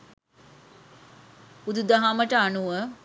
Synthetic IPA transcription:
ud̪ud̪aɦaməʈəanuʋə

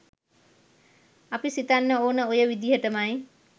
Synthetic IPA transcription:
apisit̪anːəoːnəojəʋid̪iɦəʈəmaj

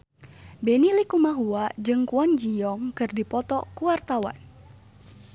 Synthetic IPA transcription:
bɛnilikumaɦuad͡ʒɨŋkuaŋd͡ʒijɔŋkɨrdipɔt̪ɔkuwart̪awa̰n

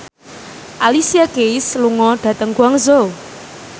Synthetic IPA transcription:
ʔalisiakeisluŋɔɖ̥ä̤t̪əŋkuaŋzo

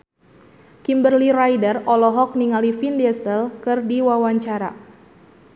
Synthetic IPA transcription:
kimbərliɾajdərɔlɔɦɔk̚niŋalifindɛsəlkɨrdiwawaɲt͡ʃaɾa̰

